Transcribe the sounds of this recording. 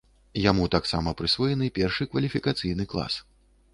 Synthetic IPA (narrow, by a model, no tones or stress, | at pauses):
jamut̪aksamɐpɾɨsvɔjɛnɨpʲɛrʂɨkvɐlʲifʲikat̪sɨjnɨklˠa̰s